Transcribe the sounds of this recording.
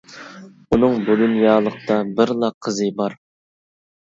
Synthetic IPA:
unɨŋbuɡʲynjɑːlˠəq̚t̪ʰɑbɪɾlˠɑqʰːəzɨbɑɾ

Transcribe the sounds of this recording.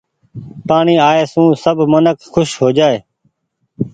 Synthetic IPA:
paːɳiːaːeːsũːsəbʱmənəkxʊʃɦoːd͡ʒaːeː

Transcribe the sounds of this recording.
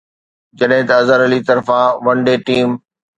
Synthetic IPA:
d͡ʑɐɗɦɪ̃t̪ɐɐzəɾɐlit̪ɐɾfãʋɐ̃ɳɖeːʈiːm

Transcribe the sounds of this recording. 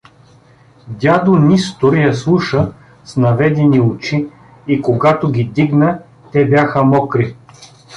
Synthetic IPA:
d̪ʲad̪onist̪ʊɾjɐslˠuʃə | snɐvɛd̪ɛniʊt͡ʃi | ikoɡat̪oɡʲid̪iɡnə | t̪ɛbʲjaxəmɔkɾi

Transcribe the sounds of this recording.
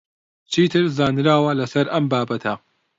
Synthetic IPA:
t͡ʃʰit̪ʰɨɾzaːnɾaːwɐlɐsɐɾʔɐmbaːbɐt̪ʰɐ

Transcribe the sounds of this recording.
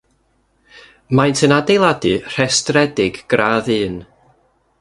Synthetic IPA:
majntʰənadejlˠadɨr̥ɛstrɛdɪɡɡ̥raːðɨːn

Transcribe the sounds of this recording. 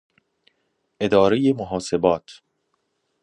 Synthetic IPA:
ʔe̞d̪ɒːɾe̞jemoɦɒːse̞bɒːt̪ʰ

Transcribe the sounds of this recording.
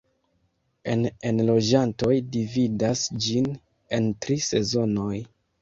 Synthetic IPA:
e̞nenlo̞d͡ʒanto̞jdividasd͡ʒin | e̞ntɾise̞zo̞no̞j

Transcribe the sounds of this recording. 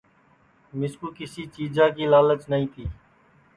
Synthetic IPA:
mɪskuːkɪsiːt͡ʃiːd͡ʒãːkiːlaːlət͡ʃnəĩːt̪ʰiː

